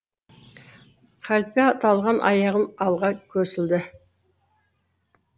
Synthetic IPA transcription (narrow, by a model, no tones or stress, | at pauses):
qʰælpeɑt̪ʰɑlˠʁɑnʔɑ̰jɑʁənɑlˠʁɑkʲʰɵsɪld̪ɪ